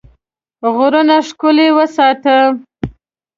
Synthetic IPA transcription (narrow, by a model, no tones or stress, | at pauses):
ɣʊɾənaʂkʊlewəsɑt̪ə